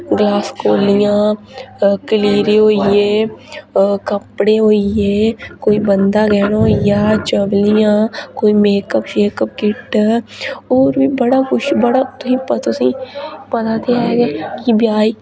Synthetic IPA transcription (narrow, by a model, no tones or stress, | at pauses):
ɡlaːskoːlɪjãː | kəliːɾeɦoːijeː | kəpɽeɦoːijeːkoːibənd̪aɡɛːnojaːt͡ʃəʋlɪjãːkoːimeːkəpʃeːkəp̚kɪʈ | oːɾbiːbəɽakʊt͡ʃbəɽat̪ʊsĩːpət̪ʊsĩːpət̪at̪ʰeaːeɡekibjaːi